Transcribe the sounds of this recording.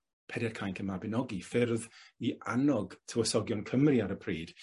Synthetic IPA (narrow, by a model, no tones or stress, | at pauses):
pʰɛdɛrkʰajnkʰəmabɪnɔɡifɪrðia̰nɔɡtʰəwəsɔɡjɔnkʰəmriaɾəpʰriːd̥